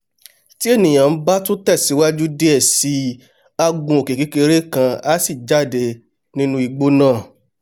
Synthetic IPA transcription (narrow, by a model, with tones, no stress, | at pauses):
ti˦e˦˨nĩ˨j̃ã˨n̩˦ba˦tũ˦tɛ˦˨si˨˦wa˦d͡ʒu˦de˦ɛ˦˨si˨˧˦ | a˧ɡũ˧˦o˨ke˨ki˦ke˧ɾe˦kã˧a˦si˦˨d͡ʒa˦˨de˧ | nĩ˦nũ˧˦i˨ɡ͡bo˦nãː˦˨